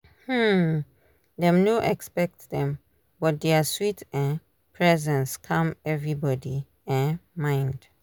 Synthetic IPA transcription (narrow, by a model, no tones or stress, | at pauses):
hm̩ | dɛ̃mnoʔɛkspɛk̚tðɛ̃m | bɔt̚dɛaswitɛ̃n | pʰɹɛzɛ̃nskʰʌ̃mɛvɹibɔdi | ɛ̃nmãɪ̃nd̥